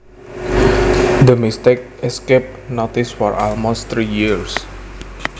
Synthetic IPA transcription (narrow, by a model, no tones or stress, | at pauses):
d̪əmist̪ek̚ɛskep̚not̪isfɔɹʔalmost̪ɾijiɹs